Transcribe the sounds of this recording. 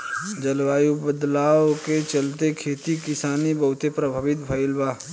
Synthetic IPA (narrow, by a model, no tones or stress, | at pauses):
d͡ʒɐlʋaːjubəd̪laːwket͡ʃɐlt̪ekʰeːt̪ikɪsaːnibɐɦʊt̪epɾɐbʱaːʋɪt̪bʱɐɪlbaː